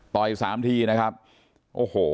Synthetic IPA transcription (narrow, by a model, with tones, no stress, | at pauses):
t̪ɔː˨˧˩ʔiː˨˩k̚saː˩˦mt̪ʰiː˧na˦˥kʰa˦˥p̚ | ʔoː˨˩hoː˨˩